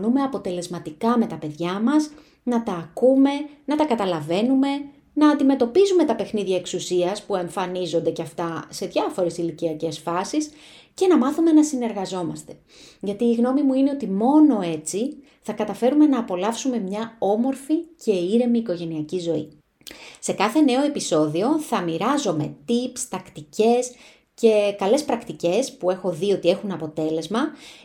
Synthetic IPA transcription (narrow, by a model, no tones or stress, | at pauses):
nume̞ɐpo̞t̪e̞le̞zmɐt̪ikɐme̞t̪ɐpe̞ðʝɐmɐs | nɐt̪ɐːkume̞nɐt̪ɐkɐt̪ɐlɐve̞nume̞ | nɐːnd̪ime̞t̪o̞pizume̞t̪ɐpe̞xniðʝɐe̞ksusiɐspue̞ɱfɐnizo̞nd̪e̞ceɐft̪ɐse̞ðʝɐfo̞ɾe̞siliciɐce̞sfɐsis | ce̞nɐmɐθume̞nɐsine̞ɾɣɐzo̞mɐst̪e̞ | ʝɐt̪iːɣno̞mimuine̞o̞t̪imo̞no̞e̞t͡si | θɐkɐt̪ɐfe̞ɾume̞nɐːpo̞lɐfsume̞mɲɐo̞mo̞ɾfice̞iɾe̞miːko̞ʝe̞niɐcizo̞ḭ | sekɐθe̞ne̞o̞e̞piso̞ðio̞θɐmiɾɐzo̞me̞̰t̪ipst̪ɐkt̪ice̞s | ce̞kɐle̞spɾɐkt̪ice̞spue̞xo̞ðio̞t̪ie̞xunɐpo̞t̪e̞le̞zmɐ